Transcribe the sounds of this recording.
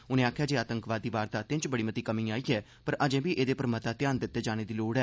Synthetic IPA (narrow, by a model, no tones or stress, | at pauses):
ʊnẽːaːkʰjaːd͡ʒeːaːt̪əŋkʋaːd̪ːiːʋaːɾt̪aːt̪ɪ̃nt͡ʃbəɽiːmət̪iːkəmĩːaːiːɛː | pəɾəd͡ʒẽːbiːʔeːd̪eːpəɾmət̪aːt̪ɪjaːnd̪ɪt̪ːeːd͡ʒaːɽ̃eːd̪iːloːɽɛː